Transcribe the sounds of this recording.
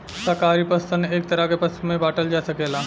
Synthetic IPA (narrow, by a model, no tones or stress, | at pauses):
sakaɾipəst̪əneek̚t̪əɾaɡepəsmebaʈəld͡ʑasəkela